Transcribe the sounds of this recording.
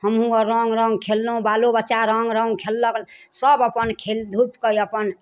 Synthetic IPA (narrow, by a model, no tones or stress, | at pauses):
həmɦũəɾəŋɡɾəŋɡkʰelːũbalobətːʃaɾəŋɡɾə̃ŋɡkʰelːəɡlsəbəpənkʰeld̪ʱupkəjəpən